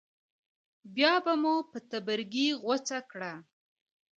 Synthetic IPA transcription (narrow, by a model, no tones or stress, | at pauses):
bjɑbamupət̪abəɾɡiɣwat͡sakɽa